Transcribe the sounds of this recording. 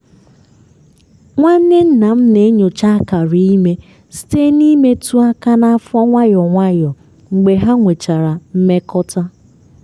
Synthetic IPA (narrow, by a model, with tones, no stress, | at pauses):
ŋʷa˦n̩˦ne˦n̩˦na˨m̩˦ne˨˦ɲo˨t͡ʃa˦ka˨ɾi˦i˦me˦ | si̥˦te˦ni˦me˦tu˦a˦ka˦na˦a˦fɔ˦ŋʷa˦jɔ˨ŋʷa˦jɔ˨ | ŋ͡m̩˨ɡ͡be˨ɦa˦ŋʷe˨t͡ʃa˨ɾa˨m̩˦me˦kɔ˦ta˦